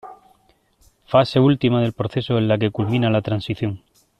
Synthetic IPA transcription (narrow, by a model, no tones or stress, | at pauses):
fase̞ult̪imað̞e̞lpɾo̞θe̞soelːake̞kulmĩnalat̪ɾansiθjo̞ŋ